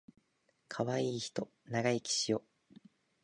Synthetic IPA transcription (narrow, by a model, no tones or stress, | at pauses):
kʰaβaiːçi̥t̪o̞ | naɡaikʲi̥ɕijo̞